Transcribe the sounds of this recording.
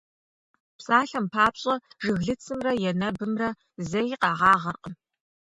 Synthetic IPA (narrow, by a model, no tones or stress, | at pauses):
psʼaːɬɐmpʰaːpɕʼɐʐɨɣɮɨt͡sʰɨmrɐjɛnɐbɨmrɐ | zɐjqɑːʁɑːʁɐrqʼəm